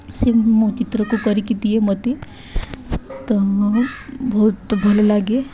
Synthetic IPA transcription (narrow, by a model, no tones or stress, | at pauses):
semot͡ʃɪt̪ɾəkokəɾikit̪iɦemɐt̪i | t̪ɐ | bɐut̪bʱɐlelaːɡe